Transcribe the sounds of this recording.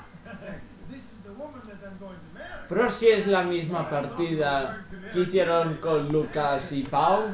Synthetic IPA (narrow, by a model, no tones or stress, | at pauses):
pɾosiezlamizmapaɾt̪iðakiθjeɾoŋkonlukasipaw